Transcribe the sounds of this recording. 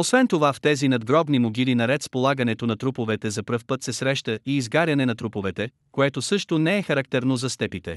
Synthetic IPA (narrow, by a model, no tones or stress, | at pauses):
osvɛnt̪ovaft̪ɛzinɐd̪ɡɾɔbnimoɡʲilinɐɾɛt̪spolˠaɡɐnɛt̪onɐt̪ɾupovɛt̪ɛzɐpɾɤfpɤt̪sɛsɾɛʃt̪əiːzɡaɾʲɐnɛnɐt̪ɾupovɛt̪ɛ | koɛt̪osɤʃt̪onɛɛxɐɾɐk̚t̪ɛɾnozɐst̪ɛpit̪ɛ̰